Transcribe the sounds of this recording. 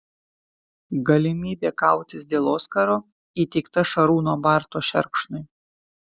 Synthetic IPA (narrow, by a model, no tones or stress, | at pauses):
ɡɐlʲɪmʲiːbʲeːkɑˑʊt̪ʲɪsd̪ʲeːlˠoːskɐɾoː | iːt̪ʲɛɪkt̪ɐʃɐɾuːnoːbɑˑɾt̪oːʃʲɛ̰ɾkʃnʊɪ